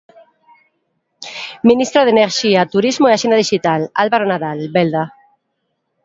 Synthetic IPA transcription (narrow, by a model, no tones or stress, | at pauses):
mĩnist̪ɾaðeneɾʃiat̪uɾizmoeaʃenaðiʃit̪alalβaɾonaðalbeld̪a